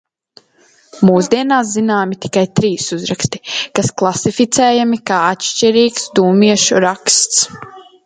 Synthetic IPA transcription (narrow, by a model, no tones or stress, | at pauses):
muːsd̪iɛnaːszinaːmit̪i̥kajt̪ɾiːsuzɾakst̪i̥kasklˠasifit̪sɛːjamikaːat̪ʃt͡ʃiɾiːksd̪uːmiɛʃuɾakst̪s